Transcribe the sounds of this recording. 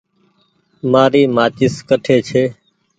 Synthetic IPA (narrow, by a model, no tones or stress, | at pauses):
maːɾiːmaːt͡ʃɪskəʈʰeːt͡ʃʰeː